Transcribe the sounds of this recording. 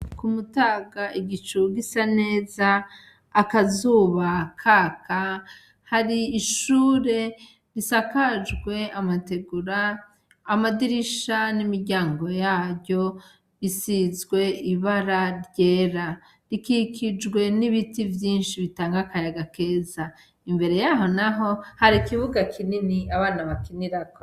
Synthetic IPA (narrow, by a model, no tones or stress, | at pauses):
kumutaːɡaiɡit͡ʃuɡisane̞ːzaː | kazuːβakʰaːkʰa | haɾiːʃuːɾe̞ | ɾisakad͡ʒɡwe̞amate̞ɡuɾaː | madiɾiʃanimiɾɟaːŋɡo̞jaːβjo̞ | βisizɡwe̞iβaɾaɾɟe̞ːɾa | ɾikikʰid͡ʒɡwe̞niβitivjiːnʃiβitaːŋɡakajaɡake̞ːza | imbe̞ɾe̞jaɦo̞naɦo̞haɾikiβuɡakʰininiaβaːnaβakiniɾakʰo